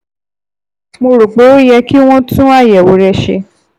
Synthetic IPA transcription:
mo˧ɾo˨k͡po˨˦o˦jɛ˧ki˦w̃ɔ̃˦tũ˦a˦˨jɛ˨wo˨˦ɾɛ˧ʃḛ˧

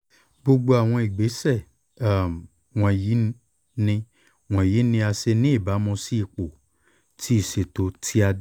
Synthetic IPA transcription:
ɡ͡bo˧ɡ͡bo˧a˨w̃ɔ̃˧i˨ɡ͡be˨˦sɛ˦˨ | a˦˨m˨ | w̃ɔ̃˧ji˨˦ | nĩ˧ | w̃ɔ̃˧˨ji˨˦nĩ˧a˧se˧nĩ˦i˦˨ba˨˦mɔ̃˧si˦i˦˨k͡po˨ | tʰi˦i˦˨ʃe˨to˨˦tʰi˦a˧˦

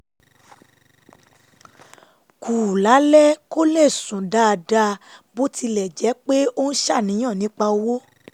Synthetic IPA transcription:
kʰuː˨la˨˦lɛ˦ko˦le˦˨sũ˨da˦˧da˦˧bo˦ti˧lɛ˨d͡ʒɛ˨˦k͡pe˦o˦n̩˦ʃa˦˨nĩ˨˦j̃ã˦˨nĩ˨˦k͡pa˧wo˦

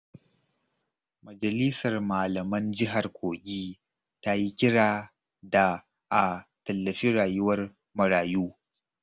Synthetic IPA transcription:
mɐ˨d͡ʒɐ˨li˦sɐ˨rmaː˨lɐ˨mɐ˦nd͡ʒɪ˦ɦa˨rkʷoː˨kʲʼiː˦ | ta˦ji˦kʲɪ˦ɽaː˨ | da˨ | ʔa˨tɐ˨lːɐ˨ɸiː˦ɽaː˨jʊ˦wɐ˦r | mɐ˨ɽaː˨juː˦

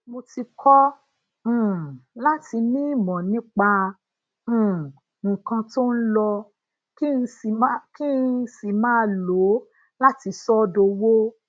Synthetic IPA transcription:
mo˧ti˧kʰɔ̃˦˨ | la˦ti˧mĩ˦i˦˨mɔ̃˨nĩ˦k͡pã˧˨ | ŋ̩˨kã˧to˦n̩˦lɔ˧ | ki˦n̩˧i˨˦ki˦si˨mãː˦˧lo˨˦ | la˦ti˧sɔ˦do˧wo˦

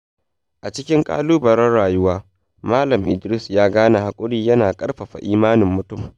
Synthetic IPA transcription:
ʔa˨t͡ʃɪ˦kʲɪ˦ŋkʼa̰ː˦luː˦bɐ˨ɾɐ˦rɽaː˨jʊ˦waː˦ | maː˦lɐ˨mʔɪ̰˨dɾɪ˦sjaː˦ɡaː˦na˨ha˨kʷʼʊ˦ɽiː˦jɐ˦naː˨kʼɐ˦rɸɐ˨ɸa̰˨ʔiː˦maː˦nɪ˨mːʊ˨tʊ˦˨m

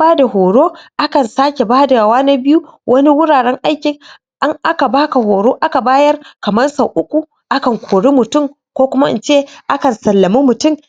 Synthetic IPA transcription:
baː˦da˨hoː˨ɽoː˦ʔa˦kɐ˨nsaː˦kʲe˨baː˦da˨a˨waː˦na˦bɪ˦ju˦wʔɐ˦ni˦wʊ˦ɽaː˨ɽɛ˦ŋʔa˦jkʲɪ˨ŋ | ʔa˦ŋʔa˦ka˨baː˦ka˨hoː˨ɽoː˦ʔa˦ka˨baː˦jɐ˦rkɐ˨mɐ˦rsa˨ʔʊ˦kʷu˨ | ʔa˦kɐ˨ŋkʷʰoː˨ɽi˦mʊ˨tʊ˦˨m | kʷoː˦kʷʊ˦ma˦ʔɪ̰˨t͡ʃeː˦ʔa˦kɐ˨nsɐ˨lːɐ˨mi˦mʊ˨tʊ˦m

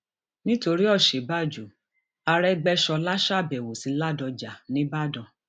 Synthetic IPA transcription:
nĩ˦to˧ɾi˦ɔ˦˨ʃe˨˦ba˦˨d͡ʒu˨ | a˧ɾɛ˦ɡ͡bɛ˦ʃɔ˧la˦ʃa˦˨bɛ˨wo˨si˨˦la˦dɔ˧d͡ʒa˨nĩ˨˦ba˦˨dɔ̃˨

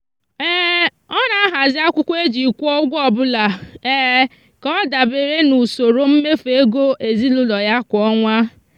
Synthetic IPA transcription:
ɛ˦ | ɔ˦na˨a˦ɦa˨zɪ˦a˦kʷʊ˦kʷe˦d͡ʒi˨kʷɔ˦ɡʷɔ˦˨bʊ˦la˨ɛ˦ | kɔ˦da˨be˨ɾe˦nu˨so˨ɾo˨m̩˦me˦fe˦ɡo˦ʔe˨zi˦lʊ˦lɔ˨ja˦kʷɔ˦ŋʷa˦

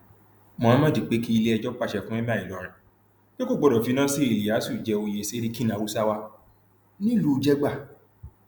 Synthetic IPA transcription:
mɔ̃˨˦mã˦di˨k͡pe˦ki˦i˧le˦ɛ˧d͡ʒɔ˦k͡pa˦˨ʃɛ˧fũ˦ɛ˦mã˦˨i˨lɔ˨˦ɾ̃ã˨ | ke˦ko˦˨ɡ͡bɔ˨ɾɔ˨fi˨˦nãː˦si˦i˨li˨a˨˦su˦˨d͡ʒɛ˧o˧je˧˨se˦ɾi˦ki˦nã˨wu˦sa˦wa˧ | nĩ˦lu˦˧d͡ʒɛ˦ɡ͡ba˦˨

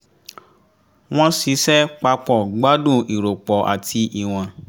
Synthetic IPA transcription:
w̃ɔ̃˦si˨˦sɛ˦k͡pa˧k͡pɔ˨ɡ͡ba˦dũ˦˨i˨ɾo˨k͡pɔ˨ʔa˨tʰi˧ʔi˨w̃ɔ̃˨

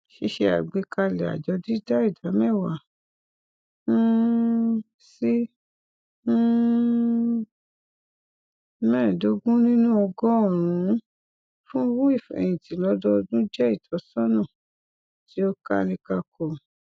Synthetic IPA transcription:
ʃe˧˦ʃe˧a̰˨ɡ͡be˨˦ka˧lɛ˨a̰˨d͡ʒɔ˧di˦da˦i˦˨da˨˦mɛ̃˦˨wa˨˦ | si˦ | mɛ̃ː˦˨do˨˧ɡũ˦nĩ˦nũ˦ɔ˧ɡɔ˦ɔ˦˨ɾ̃ũ˨˦ | fũ˦wu˦i˦˨fɛ̰˨j̃ĩ˨tĩ˨˦lɔ˧˦dɔ˦˧dũ˦d͡ʒɛ˦i˦˨tʰɔ˨˦sɔ̃˦nɔ̃˦˨ | ti˨˦o˦ka˦nĩ˧ka˧ko˧˨

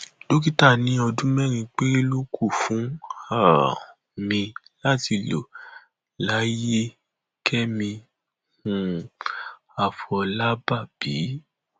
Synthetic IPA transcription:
lo˦ki˦ta˦˨nĩ˨˦ɔ˧dũ˦mɛ̃˦ɾ̃ĩ˧k͡pe˦e˦lo˦kʰu˦˨fũ˨˦a˦˨ | mĩ˧ | la˦ti˧lo̰˨ | la˨˦je˦ | kʰɛ˦mĩ˧ | mũ˧ | a˨fɔ˧la˦ba˦˨b̥iː˨˦

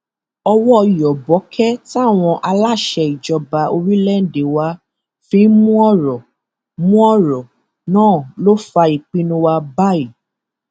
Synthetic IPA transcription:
ɔ˧wɔ˦˧i˨jɔ˨bɔ˨˦kʰɛ˦ta˦˨w̃ɔ̃˧ʔa˧la˦˨ʃɛ˧i˨d͡ʒɔ˧ba˧o˧ɾi˦lɛ˦n̩˨de˨wa˧˦ | fĩ˨˦mũ˦ɔ˦ɾɔ˨ | mũ˦ɔ˦˨ɾɔ˨ | nãː˦˨lo˦fa˧i˨k͡pĩ˦nũ˦wa˧ba˦˨i˨

